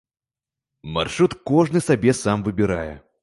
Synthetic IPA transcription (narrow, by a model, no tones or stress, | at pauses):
ma̰rʂɾut̪kɔʐnɨsabʲɛsamvɨbʲɪɾajɛ̰